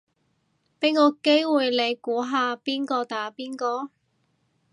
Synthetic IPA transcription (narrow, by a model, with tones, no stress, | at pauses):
pe˨˥jŋɔː˨˧ke˥jwuː˨jle˨˧jkuː˨˥ɦaː˨˧piː˥nkɔː˧t̪aː˨˧piː˥nkɔː˧